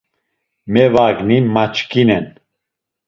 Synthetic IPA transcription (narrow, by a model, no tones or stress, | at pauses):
mɛvaɡnimat͡ʃkinɛn